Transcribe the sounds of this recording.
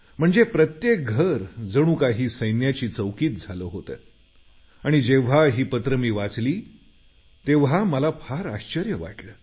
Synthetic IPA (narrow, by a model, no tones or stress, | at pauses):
m̤əɳd͡zepɾət̪jek̚ɡʱəɾd͡zəɽ̃ũːkaɦiːsəjnjat͡ɕiːt͡səwkiːt̪̚d͡zʱaloɦot̪əː | aɽ̃id͡ʑeʋ̤aɦiːpət̪ɾəmiːʋat͡sliː | t̪eʋɦaməlapʰaɾaɕt͡ɕəɾjəʋa̰ʈləː